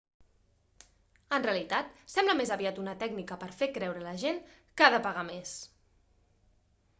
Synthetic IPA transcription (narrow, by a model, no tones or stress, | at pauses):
ənreəlit̪at̪sɛmbləmezəβiat̪unət̪ɛɡnikəpəɾfekɾɛwɾələʒen | kaðəpəɣ̞ames